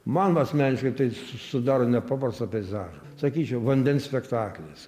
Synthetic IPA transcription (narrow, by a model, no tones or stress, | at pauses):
mɑnoɐsʲmʲæːnʲɪʃkɐɪt̪ɐɪssʊd̪ɑːɾoːnʲɛpɑːprɐst̪ɐpʲɛɪzɑːʒɐsɐkʲiːt͡ʃʲɛʊʋɐnʲd̪ʲɛnsʲpʲɛkt̪ɑːklʲes